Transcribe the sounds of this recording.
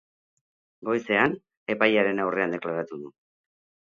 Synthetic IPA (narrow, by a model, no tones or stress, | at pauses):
ɡo̞jse̞an | e̞pajaɾe̞nawre̞and̪e̞klaɾat̪uðu